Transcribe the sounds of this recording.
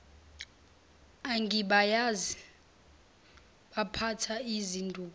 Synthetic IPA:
aŋɡʱiɓajazi | ɓapʰatʰaizindʱuː

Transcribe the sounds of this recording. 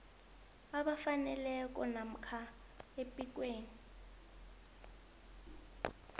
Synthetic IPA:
aɓafanɛlɛk̬ʼɔnam̩kʰa | epʼik̬ʼweːni

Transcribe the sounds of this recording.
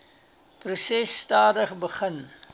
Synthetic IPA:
prusɛsːtɑːdəχbəχən

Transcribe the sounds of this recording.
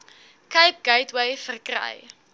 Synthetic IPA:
kəjp̚ɡ̥əjtwəjfərkrə̰j

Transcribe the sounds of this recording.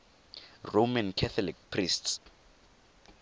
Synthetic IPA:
romankʰɛθʰɔlik̚pʰrists

